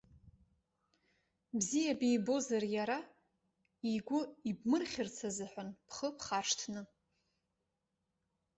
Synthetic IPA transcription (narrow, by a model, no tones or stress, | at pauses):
bzijabejbo̞zarjaɾa | iɡʷʊibmɨrχʲɪrt͡sʰazɨħʷᶣanpʰχəpʰχaʂtʰnɨ